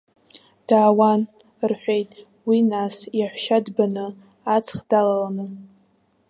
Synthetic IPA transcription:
d̥aːwan | rħᶣʷejtʼ | winasjaħʷʃadbanɨ | at͡sʰχd̥alalanɨ

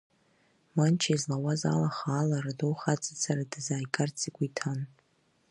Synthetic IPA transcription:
mant͡ʃʰaizlawaza̰laχaːlaɾadowχat͡sʼɨt͡sʰaɾadɨzaːjkʼart͡sʰʼikʷʼitʰan

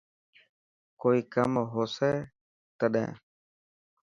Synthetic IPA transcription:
koːiːkəmɦoːsɛː | t̪əɗɛ̰̃ː

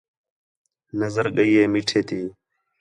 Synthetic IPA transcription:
nəzəɾɡəjeːmiʈʰeːt̪iː

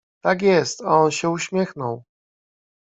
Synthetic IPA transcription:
t̪akjɛst̪aɔnɕɛuɕmʲjɛxnɔw

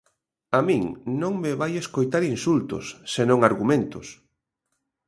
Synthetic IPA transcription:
amĩŋnõŋmeβajeskojt̪aɾinsult̪ʊ̰sːenõŋaɾɣumẽnt̪ʊs

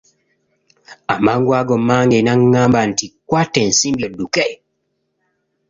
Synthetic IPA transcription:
amaŋɡwaɡɔmaŋɡɛnaŋːambantikwatɛnsimbɔdukɛj

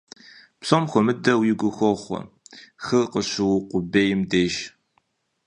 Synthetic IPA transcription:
psomxʷɔmɨdɐwjɪɡʷʊxʷɔχʷɔ̰ | xɨqəɕɪwqʷʊbeːjɪmdeːʒ

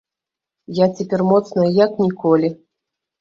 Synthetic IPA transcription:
jat͡sʲepʲermot̪t͡s̪nəjaknʲikolʲi

